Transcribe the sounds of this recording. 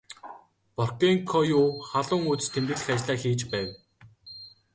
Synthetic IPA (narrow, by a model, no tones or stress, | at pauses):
pɔrkeŋkʰɔjuːχaɮʊːŋuːt͡s̪̆t̪ʰemt̪ɘ̆ɮxæːt͡ɕɮaːxiːt͡ɕpæːwʲ